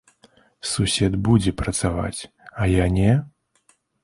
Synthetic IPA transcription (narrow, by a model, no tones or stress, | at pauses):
susʲɛd̪bud͡zʲɛpɾɐt̪sava̰t͡sʲ | ajanʲɛ